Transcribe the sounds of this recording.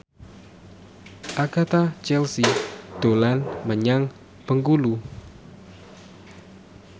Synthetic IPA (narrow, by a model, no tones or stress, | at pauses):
ʔaɡ̥at̪at͡ʃɛlsid̪̥olanməɲaŋ | pəŋɡulu